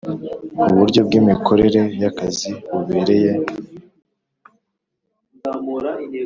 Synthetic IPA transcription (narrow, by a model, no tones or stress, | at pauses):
uβuɾɟo̞b̚ɡiːmikʰo̞ɾe̞ɾe̞jakaziβuβeːɾe̞je̞